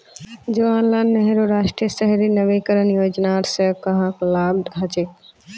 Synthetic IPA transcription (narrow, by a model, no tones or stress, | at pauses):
d͡ʒoaːnlanːeɦɾoɾaːʃʈɾijəsəɦɾinɐʋekəɾənjoːd͡ʒnaɾsəkɐɦãklaːbd̪ɦɐt͡ʃe